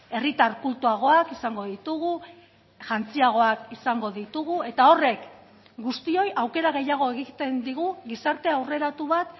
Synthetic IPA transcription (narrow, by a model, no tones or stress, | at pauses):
e̞rit̪aɾkult̪uaɣ̞o̞akisaŋɡo̞ðit̪uɣu | ʝant͡siaɣ̞o̞akisaŋɡo̞ðit̪uɣue̞t̪ao̞re̞k | ɡust̪io̞jʔawke̞ɾaɣ̞e̞jaɣ̞o̞e̞ɣ̞it̪e̞nd̪iɣ̞uɣisaɾt̪e̞awre̞ɾat̪uβat̪